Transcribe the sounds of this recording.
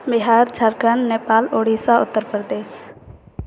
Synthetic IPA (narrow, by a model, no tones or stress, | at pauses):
bɪɦaːɾd͡ʒʰʱəɾkənːeːpaːloːɽiːsaʊt̪ːəɾpɾəd̪eːs